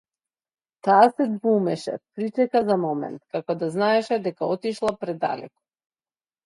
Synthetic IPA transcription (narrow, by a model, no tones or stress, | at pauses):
t̪aːsɛd̪vumɛʃɛ̰pɾit͡ʃɛkazamɔmɛ̰nt̪kakɔd̪aznaɛʃɛd̪ɛkaɔt̪iʃlˠapɾɛd̪a̰lɛ̰kɔ̥